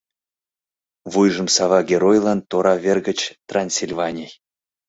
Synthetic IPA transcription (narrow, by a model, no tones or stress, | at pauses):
vujʐə̆msɑvɑɡʲeɾojlˠɑnt̪oɾɑvʲerɡə̆t͡ɕt̪ranʲsʲilʲvanʲij